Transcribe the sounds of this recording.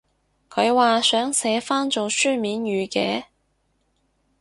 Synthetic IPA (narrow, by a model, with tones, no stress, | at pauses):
kʰɵ˨˧ɥwaː˨˧sœː˨˥ŋsɛː˨˧˥faː˥nt͡so˨wsyː˥miː˨˧˥njyː˨˧kɛː˨˥